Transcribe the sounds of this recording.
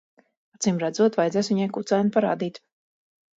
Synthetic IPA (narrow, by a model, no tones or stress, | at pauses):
at̪simɾæd̪zuɔt̪vajd̪ɛsviɲajkut̪sajnpaɾa̰ːd̪iːt̪